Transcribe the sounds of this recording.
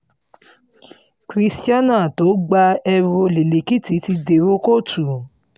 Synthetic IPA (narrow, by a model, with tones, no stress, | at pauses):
kɾi˦sti˦a˦nã˦˨to˨˦ɡ͡ba˧ɛ˧ɾo˧le˨le˨ki˦˨ti˨˦ti˧de˨ɾo˦ko˦˨tʰu˨